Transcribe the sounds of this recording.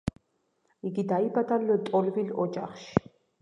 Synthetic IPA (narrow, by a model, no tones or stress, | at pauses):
iɡid̪aibad̪alɔt̪ʼɔlvilɔd͡ʒa̰χʃi̥